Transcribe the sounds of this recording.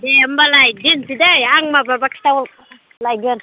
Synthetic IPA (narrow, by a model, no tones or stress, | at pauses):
dem̩balajɡintidejaŋmababaki̥tawulk | lajɡon